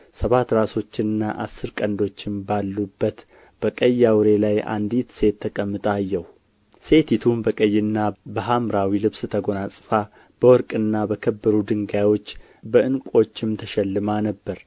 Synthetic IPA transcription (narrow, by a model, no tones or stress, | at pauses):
səβat̪ɾaso̞t͡ʃːɪnɨnːaʔasːɨɾkʼənd̪o̞t͡ʃːɪnbalːubːət̪ | b̥əkʼəjːawɾe̞lajʔa̰nd̪it̪se̞t̪ʰːəkʼəmːɨt̪ʼajːɛw | se̞t̪ʰit̪ʰumbəkʼəjːɪnːabəɦamɾawilɨβst̪ʰəɡo̞nasʼɨfa | b̥əwɔɾkʼɨnːabəkʰəbːəɾud̪ɨŋɡawo̞t͡ʃː | bəʔɨnkʼo̞t͡ʃːɪmt̪ʰəʃɛlːɨmanəbːəɾ